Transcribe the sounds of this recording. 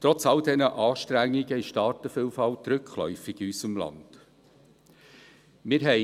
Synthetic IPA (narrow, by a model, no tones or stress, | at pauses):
tɾɔt͡sɑldɛnəʔɑːʃtɾæŋːiɡəɪʃtɑːtəfɪlfɑlt̪ɾʏkʰχlœ̰ʏfɪɡ̥iysəmlɑ̰nd̥ | mɪɾɦɛ